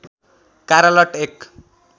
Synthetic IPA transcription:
kaɾʌlʌʈek

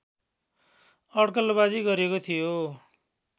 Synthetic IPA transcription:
ʌɽkʌlbad͡ziɡʌɾiekot̪ʰijo

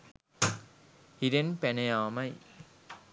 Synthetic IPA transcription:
hiɾenpænejaːmɐj

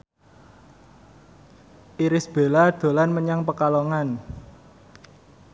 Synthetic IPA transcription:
ʔiɾɪsb̥e̤lad̪̥o̤lanməɲaŋpəkaloŋan

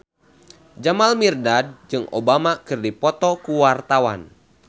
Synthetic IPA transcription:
d͡ʒamalmirdad̚d͡ʒɨŋʔo̰bamakɨrdipɔt̪ɔkuwart̪awa̰n

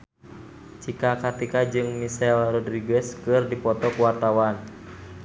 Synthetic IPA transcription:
t͡ʃikakat̪ikad͡ʒɨŋmisɛlrɔdɾiɡɛskɨrdipɔt̪ɔkuwart̪awan

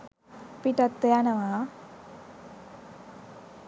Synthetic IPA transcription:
piʈɐt̪ːejanɐʋaː

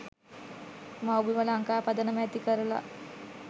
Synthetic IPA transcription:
mawbiʋəlaŋkaːpad̪ənəmɛt̪ikəɾəla̰

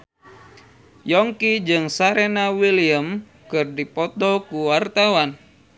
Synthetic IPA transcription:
jɔŋkid͡ʒɨŋsaɾɛnawiliəm | kɨrdipɔt̪ɔkuwart̪awan

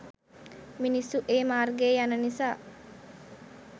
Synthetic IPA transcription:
minisːuʔeːmaːrɡeːjanənisaː

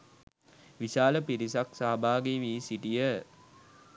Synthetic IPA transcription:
ʋisaːləpiɾisaksaɦabʱaːɡeʋiːsiʈijə

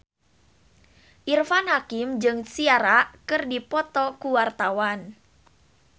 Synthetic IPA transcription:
ʔirfanhakɪmd͡ʒɨŋsiaɾakɨrdipɔt̪ɔkuwart̪awan

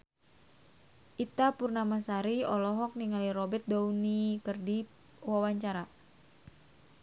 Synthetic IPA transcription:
ʔit̪apurnamasaɾiɔlɔɦɔk̚niŋaliɾɔbɛrt̪̚daunikərdi | wawaɲt͡ʃaɾa

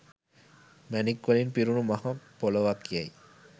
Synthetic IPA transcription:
mɛnikːʋɐlinpiɾunumaɦapoloʋakːiaj

